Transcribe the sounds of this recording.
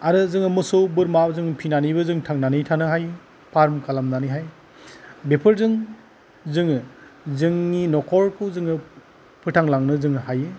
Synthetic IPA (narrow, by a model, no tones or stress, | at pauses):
aɾɯzɯŋɯmɯsowbɯɾmazɯŋpʰinanibɯzɯŋtʰaŋnanɯjtʰanɯɦaj | pʰaɾmkalamnanɯjɦaj | bepʰɯɾzɯŋ | zɯŋɯzɯŋninɔkʰɔɾkʰɯzɯŋɯ | pʰɯtʰaŋlaŋnɯzɯŋɯhajɯ